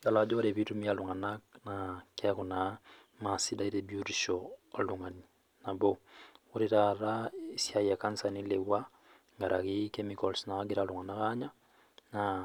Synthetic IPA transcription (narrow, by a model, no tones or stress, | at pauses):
ɡalad͡ʒɔɾeβitumialuŋananakakuna | masidaiɾebjuɾiʃɔaluŋani | naboɣuɾeɾaɾaisjajakansanileβwa | ŋɡaɾʔakikemikɔlsnaaɡeɾaluŋanakaɲa | na